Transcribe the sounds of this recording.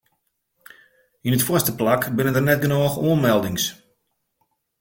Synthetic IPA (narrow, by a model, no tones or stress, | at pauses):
inətfwɔstəplakbɪnənərnɛt̚ɡənoːxoənmɛlˠdɪŋs